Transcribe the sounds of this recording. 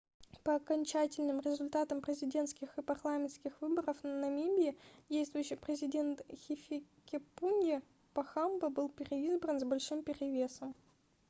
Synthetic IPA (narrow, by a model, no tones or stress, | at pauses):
pəɐkɐnʲt͡ɕætʲɪlʲnɨmɾʲɪzʊlʲt̪at̪əmpɾʲɪzʲɪdʲe̞nt̪skʲɪxɨpɐrlˠamʲɪntskʲɪxvɨbəɾəfnɐmʲibʲɪɪdʲejst̪vʊjʊɕːɪjpɾʲɪzʲɪdʲe̞nt̪xʲɪfʲɪ | kʲɪpunʲɪ | pɐxambəbɨlˠpʲɪɾʲɪizbrənzbɐlʲʂɨmpʲɪɾʲɪvʲe̞səm